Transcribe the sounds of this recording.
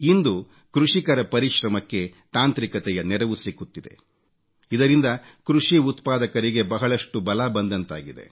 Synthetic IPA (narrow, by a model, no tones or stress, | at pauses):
ind̪u | kɾuʂikɐɾɐpɐɾiʃɾɐmɐkːe̞t̪aːnt̪ɾikɐt̪ɛjɐnɛɾɐʋusikut̪ːid̪e̞̰ | id̪ɐɾind̪ɐkɾuʂiut̪paːd̪ɐkɐɾiɡe̞bɐɦɐɭɐʂʈubɐlabɐnd̪ɐnt̪a̰ːɡid̪e̞̰